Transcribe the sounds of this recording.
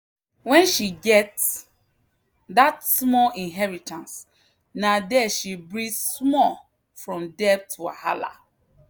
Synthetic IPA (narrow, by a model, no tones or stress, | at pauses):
wɛ̃nʃiɡɛts | datsmɔĩnɦɛɹitãns | nadɛʃibɹĩsmɔ | fɹɔ̃mdɛb̚tʰua̰ha̰la̰